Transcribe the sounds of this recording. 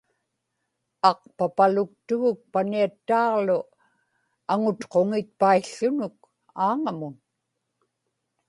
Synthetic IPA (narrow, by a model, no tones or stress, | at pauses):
ɑqpapalʊk̚t̪ʊɣʊk̚paniat̪ːaːʁlʊ | aŋʊt̪qo̞ŋɪt̪̚paiɬːʊnʊk̚ | aːŋamʊn